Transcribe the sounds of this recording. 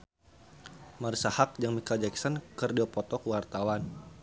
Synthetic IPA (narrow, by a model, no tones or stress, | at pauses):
marisahak̚d͡ʒaŋmikad͡ʒɛksɔnkərdiɔpɔt̪ɔkəwart̪awan